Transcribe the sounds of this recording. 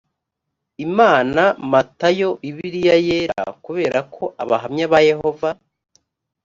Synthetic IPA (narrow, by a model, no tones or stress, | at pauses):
imaːnamatajo̞iβiɾijajeɾa̰kuβe̞ːɾakʰo̞ʔaβaɦamɲaβaje̞ho̞va